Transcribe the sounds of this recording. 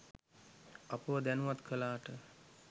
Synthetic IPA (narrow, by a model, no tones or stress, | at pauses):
apəʋəd̪ænuʋat̪kʰəlaːʈə